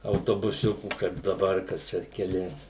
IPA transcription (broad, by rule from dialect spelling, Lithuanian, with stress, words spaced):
ɐʊtoːbʊˈsʲʊkuː kɐɪp dɐˈbɐr kɐ ˈt͡ʃʲɛ kʲɛˈlʲɪ